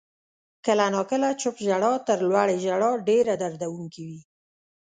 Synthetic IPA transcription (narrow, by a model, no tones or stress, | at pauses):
kəlanɑkəlat͡ʃʊpʒaɽɑt̪əɾlwaɽeʒaɽɑɖeɾad̪aɾd̪awuŋkiwi